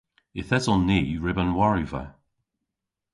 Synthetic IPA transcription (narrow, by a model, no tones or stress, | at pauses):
ɪθɛzɔnːiːɹɪbə̃nwaɹivə̰